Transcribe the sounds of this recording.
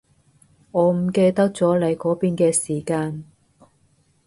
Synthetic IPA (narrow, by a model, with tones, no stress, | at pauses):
ŋɔː˨˧˥m̩˨˩ke˧jt̪ɐ˥k̚t͡sɔː˨˥lɐ˨˧jkɔː˨˥piː˧nkɛː˧siː˨˩kaː˧n